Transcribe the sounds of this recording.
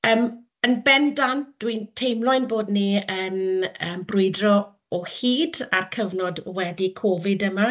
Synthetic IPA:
əːm | ənbɛndand̥wintʰejmlˠʊɨnboːdniənəːmbrʊɨdrɔ | ɔhiːdarkʰəvnɔdwɛdikʰɔvɪdəma

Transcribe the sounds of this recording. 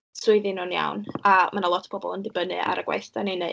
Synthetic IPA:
sʊɨðinunja̰wnamʔanalˠɔtʰbʰɔbɔ̰lˠəndɪbənɨ̰ʔa̰ɾəɡwa̰jθdanine

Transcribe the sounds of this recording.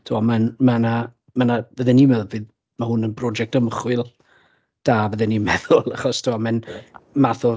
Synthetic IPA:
tʰuamanmana | manavəðɪnːimɛðʊvɨð | mahʊnənbrɔd͡ʒɛk̚təmχwɪlˠ | d̥aːvəðɪnːimɛðʊlˠaχɔstʰuamɛnmaθɔ

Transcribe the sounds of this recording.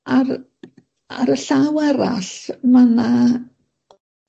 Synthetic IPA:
ar | a̰ɾəɬawɛɾa̰ɬmana

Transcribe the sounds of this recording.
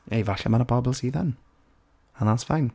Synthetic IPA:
ejvaɬɛ̰manəbɔbɛlˠsiːða̰n | anasvajn

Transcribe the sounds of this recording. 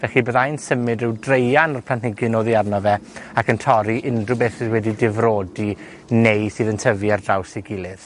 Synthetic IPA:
vɛɬiboːðajnsəmɨdrɨwdrejanɔrpʰlantnɪɡɨnoːðiarnɔvɛakəntʰɔɾiʔɪndrʊbeːθɪswɛdidɪvroːdi | nejsɨːðəntʰəviardrawsɪɡɪlˠɪð

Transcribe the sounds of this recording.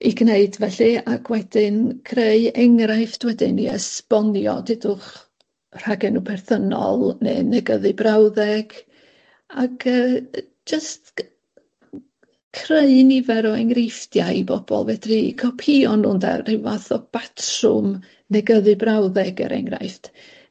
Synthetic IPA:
iɡneɨdvɛɬɨaɡwɛdɪnkʰreɨɛŋraɨfd̥wɛdɪniɛsb̥ɔnjɔ̰dɪdʊχ | r̥aɡɛnupʰɛrθənɔ̰lˠnḛːnɛɡəðɨbrawðɛɡ̥ | aɡʰəː | d͡ʒəst | kʰreɨnivɛɾɔɛŋrɪfdjaibɔb̥ɔ̰lˠvɛdrikʰɔpʰiɔnʊnda̰rɪvaθɔb̥atʰrʊ̰m | nɛɡəðɨbrawðɛɡə̰ɾʔɛ̰ŋra̰jft

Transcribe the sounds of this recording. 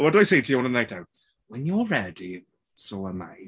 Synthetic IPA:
ɛlˠdəwajsejtʰəjɔ̃nənajtaw | wɛ̃njɔɹɛdi | soəma̰j

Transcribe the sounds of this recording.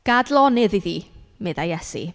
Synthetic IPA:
ɡ̥adlˠɔnɪðiðiːmɛðajɛsḭ

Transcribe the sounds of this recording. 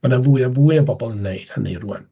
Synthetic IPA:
manavuɨənvuːɨəbɔbɔlˠənːeɨd̥hənḭruɛ̰n

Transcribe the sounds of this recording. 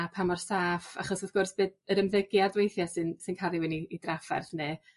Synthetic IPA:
apʰamɔrsaːfa̰χɔsɔðɡ̥ʊrsb̥eːdəɾəmðəɡjadwejθjasɨnsɨnkʰalˠiwɛniːdrafa̰rðneː

